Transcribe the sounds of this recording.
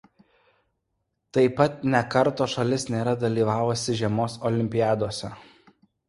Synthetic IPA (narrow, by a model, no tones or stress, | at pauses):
t̪ɐɪpɐt̪̚nʲɛkɐɾt̪oːʃɐlʲɪsnʲeːɾɐd̪ɐlʲiːʋɑːʋʊsʲɪʒʲɛmoːsɔlʲɪmʲpʲɪjæːd̪oːsʲɛ